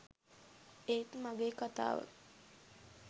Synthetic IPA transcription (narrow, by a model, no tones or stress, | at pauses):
et̪maɡeːkat̪a̰ːʋə̰